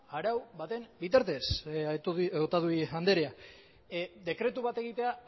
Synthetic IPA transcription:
aɾawbat̪e̞mbit̪aɾt̪e̞s | ot̪aðuiand̪e̞ɾea | d̪e̞kɾe̞t̪uβat̪e̞ɣit̪e̞a

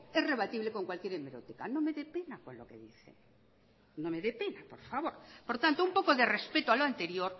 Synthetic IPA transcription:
esre̞βat̪iβleko̞ŋkwalkje̞ɾemeɾot̪ikanõme̞ðe̞pe̞nako̞nlo̞̰ke̞̰ðiθḛ | nome̞ðepenapo̞ɾfaβ̞o̞ɾpo̞ɾt̪ant̪oumpo̞koðe̞re̞spe̞t̪oaloant̪e̞ɾjo̞ɾ

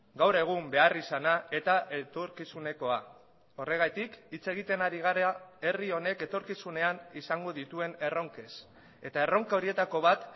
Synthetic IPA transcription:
ɡawɾe̞ɣ̞umbe̞arisanae̞t̪aʔe̞t̪o̞ɾkisune̞ko̞a | o̞re̞ɣ̞at̪ikit͡se̞ɣ̞it̪e̞naɾiɣ̞aɾae̞rio̞ne̞ke̞t̪o̞ɾkisune̞anisaŋɡo̞ðit̪ue̞ne̞ro̞ŋke̞s | e̞t̪ae̞ro̞ŋkao̞ɾie̞t̪ako̞βat̪

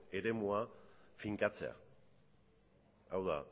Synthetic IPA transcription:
e̞ɾe̞muafiŋkat͡se̞̰a̰ | awða̰

